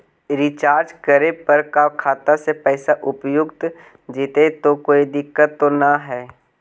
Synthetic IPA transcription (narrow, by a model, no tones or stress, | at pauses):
ɾɪt͡ʃaːɾd͡ʒkəɾepəɾkakʰaːt̪asepɛːsaʔʊpjʊɡt̪ | d͡ʒit̪et̪okoːid̪ɪkːət̪ːonaɦɛː